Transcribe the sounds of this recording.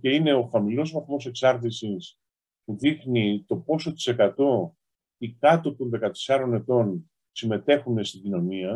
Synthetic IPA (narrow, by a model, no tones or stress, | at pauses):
ce̞ine̞o̞xɐmilo̞zvɐθmo̞se̞ksɐɾt̪isis | puðixnit̪o̞po̞so̞t̪i̥se̞kɐt̪o̞ | ikɐt̪o̞t̪o̞nðe̞kɐt̪e̥sɐɾo̞ne̞t̪o̞n | sime̞t̪e̞xune̞st̪iɟino̞niɐ